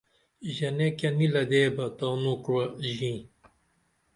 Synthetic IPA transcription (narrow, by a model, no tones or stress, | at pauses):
ʑɐnekɐnilɐd̪eːbɐt̪onukwɐʑĩː